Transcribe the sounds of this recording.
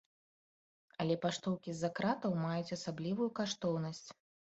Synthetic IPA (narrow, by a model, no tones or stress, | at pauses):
ɐlʲɛpaʂt̪ɔwkʲizakɾat̪ɐwmajut͡sʲɐsablʲivujukaʂt̪ɔwn̪ɐsʲt͡sʲ